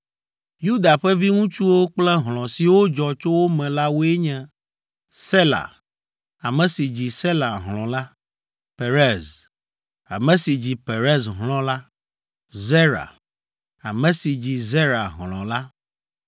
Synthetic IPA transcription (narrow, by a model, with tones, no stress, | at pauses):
ju˦d̪a˨ɸɛ˦vi˦ŋũ˦t͡ʃu˦wo˦k͡plɛ˦ɦl̃ɔ̃˨si˨wo˦d͡ʒɔ˨t͡ʃo˦wo˦mɛ̃˨la˦wo˦e˦ɲɛ̃˨ | se˦la̰˨ | a˨mɛ̃˨si˨d͡ʑi˨se˦la˨ɦlɔ̃˨la˦ | pe˨ɾɛ˦z | a̰˨mɛ̃˨si˨d͡ʑi˨pe˨ɾɛ˦sɦlɔ̃˦la˦ | ze˦ɾa̰˨ | a̰˨mɛ̃˨si˨d͡ʑi˨ze˦ɾa̰˨ɦlɔ̰̃˨la˦